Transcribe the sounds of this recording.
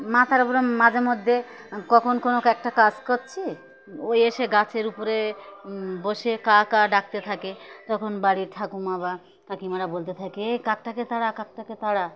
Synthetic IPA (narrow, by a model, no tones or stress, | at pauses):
mat̪ʰaɾpoɾomad͡ʑeɾmod̪ʱːe | kɔkʰonkonokɛk̚ʈakad͡ʑkoɾt͡ɕʰi | ojeʃeɡat͡ɕʰeɾupoɾe | boʃekakaɖak̚t̪et̪ʰaket̪ɔkʰonbaɽiʈʰakumaba | k̪akimaɾabolt̪et̪ʰakeekak̚ʈaket̪aɽakak̚ʈaket̪aɽa